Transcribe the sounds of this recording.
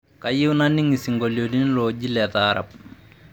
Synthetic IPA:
ka˨jɪ˦wna˦ni˦ŋi˨si˨ŋɡoljodi˦n˦lɔd͡ʒi˦lɛ˨t̪aː˦ɾa̰˨p̚

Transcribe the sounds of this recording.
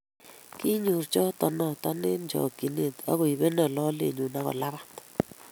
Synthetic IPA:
ki˦ɲu˨ɾt͡ʃɔ˦tɔ˨nɔ˦ta˦nɪ˦nd͡ʒɔ̰˨ki˨ne˦˨t̪a̰˦ɣo˨i˨be˦na˨lɔ˦lḛ˨ɲu˨na˦ɣɔ̰˨la˦βa˦

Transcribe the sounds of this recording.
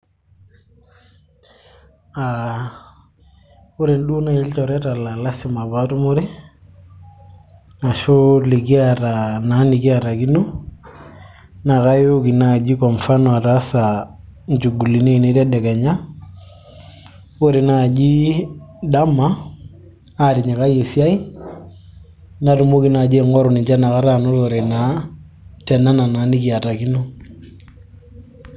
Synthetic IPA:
a | u˦ɾe˨nɗu˦na˦˨i˦lt͡ʃɔ˨ɾɛ˦ta˨la˨la˦si˨ma˨ba˦tu˦mo˦ɾi˦ | a˨ʃo˦li˨ki˦a˨ta˨na˨˦ni˨ki˦a˨ɾa˨ki˦nu˦ | na˨ka˦jo˦ki˨na˦˨d͡ʒi˦kɔ˨mfa˦nwa˨ta˦sa˨nt͡ʃu˨ɡu˨li˨ne˦i˨ne˦ɾɛ˦dɛ˨kɛ˨ɲa˦ | o˦ɾe˨na˨d͡ʒi˦da˦ma˦ | a˦˨ɾi˨ɲe˨ka˦je˨si˦a˦i˦ | na˨˦tu˨mo˦ki˦na˨d͡ʒe˦˨ŋɔ˦ɾu˨ni˨ɲt͡ʃa˦na˨ka˦ɾa˦˨no˦to˨ɾe˨na˨˦ | tɛ˨na˦na˨naː˨˦ni˦ki˦a˨ta˨ki˦no˦

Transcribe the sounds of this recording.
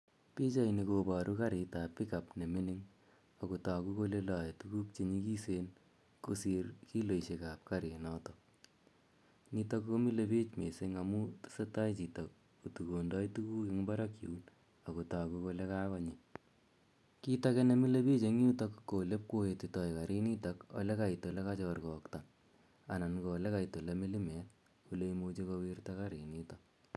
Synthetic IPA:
pi˦t͡ʃa˦inikobaɾʔu˦kaɾi˨ta˨pi˦kapne˨mi˦ni˦ŋ | a˨kuta˨ku˦ko˦˧le˦lɑ˨jtuku˦k̚t͡ʃe˦ɲi˦ki˦seːn | kusirki˦lo˨iʃe˨ka˨p̚kaɾe˨nɔ˦tɔ | ni˧ta˦kko˦mi˦le˦pe˦t͡ʃme˨seŋamu˦tseta˦jt͡ʃi˨ta˨k | u˨tu˨ko˨ndɔ˦jtu˦ku˦ke˦ŋba˦ɾa˦kḭ˨u˦l | a˨ko˨ta˨ku˧ko˧le˦ka˦kɔ˦ɲi˨ | ki˦takɛ˦ne˦mi˦le˦bi˦t͡ʃe˨ŋju˦ta˦kko˨le˦p̚ko˦e˨ti˨tɔ˨jka˨ɾi˦ni˦ta˦ko̰˨le˦ka˨ito˨le˦ka˦t͡ʃɔrkɔ˨kta˨ŋ | a˨na˨nkɔ˨le˦ka˨ito˨le˦mi˦li˦mɛ˨˦t | o˨le˦imot͡ʃe˦ko˧wi˦rtaka˦ɾi˨nitɔ

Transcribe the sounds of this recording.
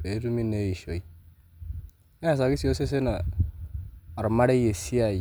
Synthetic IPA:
e˨˦du˦mi˦ne˦ji˨ʃo˨i˦ | ne˦a˨s̬a˨ɡi˦si˨jo˦se˦s̬e˦na˨ | ɾma˦ɾe˦je˨si˦a˨

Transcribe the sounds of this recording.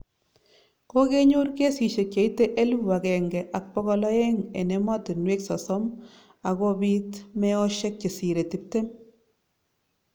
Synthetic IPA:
ko˦ke˦ɲo˦rke˦si˨ʃe˨kt͡ʃe˨i˦te˦ʔe˦lu˦wa˨kɛ˨ŋɡɛ˨ʔa˨k̚pɔ˦kɔ˧lɔ˦e˦ŋḛ˨ne˨mɔ˦tɪ˨nwe˦ksɔ˨sɔ˦m | a˨ko˦bi˦tme˦ɔ˦ʃe˦k̚t͡ʃe˨si˨ɾe˨ti˨˦p̚te˦m

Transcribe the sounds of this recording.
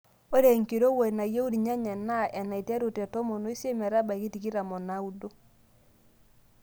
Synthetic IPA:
o˦ɾe˨ŋki˨ɾo˦we˨na˨je˦u˦ɾi˨ɲa˦ɲa˨na˦ʔɛ˨na˨i˨tja˦ɾo˨tɛ˨tɔ˦mo˨no˦i˦sje˦mɛ˨ɾa˦ba˨ki˦ti˨ki˦ɾa˨mɔ˨na˨˦u˨˦do˦

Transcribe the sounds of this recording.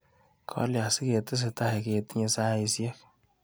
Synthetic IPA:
kʰɔ̰˦lja˨si˦ke˨tɪ˦s̬ɪ˨ta˦i˨ke˨ti˦ɲe˧sa˦i˧sjɛ˦k

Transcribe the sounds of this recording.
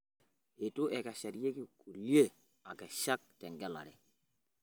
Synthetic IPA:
e˨tu˦ʔɛ˨ka˨ʃa˨ɾje˦ki˦˨kːu˨lje˦ | a˨kɛ˨ʃa˦k̚tɛ˨ŋɡɛ˦la̰˨ɾɛ˨

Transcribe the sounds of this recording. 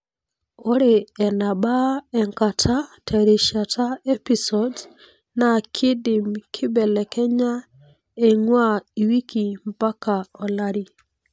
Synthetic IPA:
o˦ɾeɛ˨na˨ba˦ɛ˨ŋka˨tʰa˦tʰɛ˨ɾi˨ʃa˨tʰa˦e˦pisɔd | na˨kʰɪ˦dɪ˨mkʰɪ˦bɛ˨lɛ˨kɛ˦ɲa˦ | e˨ŋwa˦i˨wi˦ki˨mpa˦ka˨ɔ˨la˦ɾi˨

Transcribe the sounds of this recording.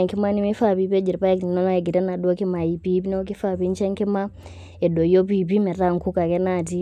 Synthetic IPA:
ŋki˦ma˦ni˦mi˦fa˦˨pi˨˦pɛ˦d͡ʒɛ˨ɾi˨pa˦ki˨nɔ˦na˦ɛ˨ɡi˨ɾɛ˦na˨ɗɔ˦ki˦ma˨i˨pi˦pi˦nɛ˦k̬i˦fa˨pi˦ɲt͡ʃɛ˦ŋki˦ma˦ | ɛ˨dɔ˨jɔ˦p̬i˨p̬i˦mɛ˨ta˦˨ŋku˦ka˨kɛ˦na˨t̬i˦

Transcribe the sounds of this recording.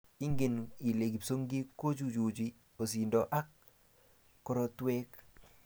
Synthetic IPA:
i˦ŋɡe˨ni˨le˨ɡi˨pso˦ŋɡi˦ko˦d͡ʒu˦˨d͡ʒu˨d͡ʒi˦ | o˨si˨ndɔ˨ʔa˦kː | ɔ˦ɾo˦twɛ˦k

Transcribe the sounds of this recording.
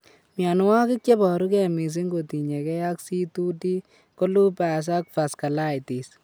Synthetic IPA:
mja˨n˦wa˦kɪ˦k̚t͡ʃe˦bɔ˨ɾu˦kɛ˨mi˨s̬i˦ŋɡo˨ti˨ɲe˨kɛ˦ja˦ksi˦tu˦ti˦ | ko˦lu˦pa˨s̬a˦k̚fa˨ska˨la˦i˨ti˨s

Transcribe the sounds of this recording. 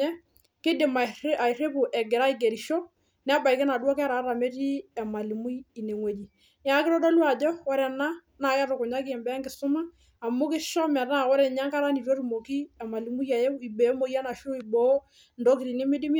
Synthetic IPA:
ɛ˦ | kɪ˦dɪ˨ma˨a˨i˨ɾe˦pu˨ʔɛ˨ɡɪ˨ɾa˦i˦˨ɡe˨ɾi˨ʃo˦ | n˦a˦ba˨i˨kɛ˦na˨dwɔ˦kɛ˦ɾa˨˦ɾa˨me˦ti˦ɛ˨ma˨li˨mu˦ji˨ne˨ŋwe˨d͡ʒi˨ | ɲ˦a˨˦kɪ˦ɾɔ˦dɔ˦lwa˨d͡ʒɔ˦wɔ˦ɾɛ˨na˦ | na˨˦jɛ˦ɾʊ˨kʊ˨ɲa˦ki˦ɛ˨mbɛ˨˦ŋɡɪ˨sʊ˦maː˦˨ | mʊ˦kɪ˦ʃɔ˦mɛ˨ta˦˨wɔ˦ɾɛ˨ɲa˦ŋka˦ɾa˦ni˨ɾo˦ɾu˨mo˨ki˦ɛ˨ma˨li˨mu˦ja˨je˦i˨be˨˦mo˦˨ja˦na˨ʃo˦i˨bo˦ | ndo˦kɪ˨ɾi˨ne˦mɪ˦dɪ˦m˦

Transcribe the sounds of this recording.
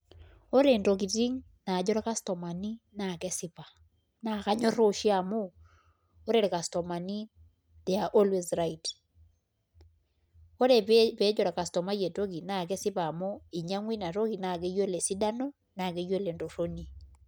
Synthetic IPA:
o˦ɾe˨ntok̬i˨ti˦ŋ | na˨d͡ʒo˦ɾa˦ka˦sto˨ma˨ni˦na˨kɛsi˦pa˨ | naka˦ɲo˦ɾoʃi˦a˨moː˦ | ɾeɾe˨ka˨sto˨ma˨ni˦ | ðe˨a˨ʔo˦lwe˨zɾait | o˦ɾe˨ppe˦d͡ʒo˦ɾa˨ka˨sto˨ma˦je˨to˦ki˨na˨k̬ɛ˦si˦paː˨mo˦i˨ɲa˦ŋwi˦na˨ɾo˦ki˨na˨ke˦jwe˦le˨si˦da˦no˦ | na˨ke˦jwe˦le˨ndo˨ro˦ni˦

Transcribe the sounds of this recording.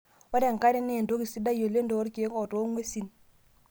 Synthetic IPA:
wa˦ɾɛ˦˨ŋka˦ɾɛ˦nɛ˦˨ndo˦ki˨si˦da˦jo˨le˦ndɔ˨ɔ˦ɾki˨˦kɔ˨tɔ˦ŋwe˦si˨n

